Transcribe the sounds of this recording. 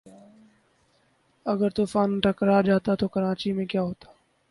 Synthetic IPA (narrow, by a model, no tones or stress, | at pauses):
ɐɡəɾt̪uːfaːnʈʰəkɾad͡ʒaːt̪at̪okɐɾaːt͡ʃimẽkjaːɦoːt̪ḁː